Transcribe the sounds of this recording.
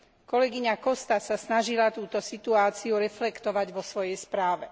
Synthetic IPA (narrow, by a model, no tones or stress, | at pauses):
kɔlɛɡiɲakɔst̪asasnaʒilat̪uːt̪ɔsit̪uaːt͡siuɾɛflɛkt̪ɔʋaɟʋɔsʋɔjɛjspɾaːʋɛ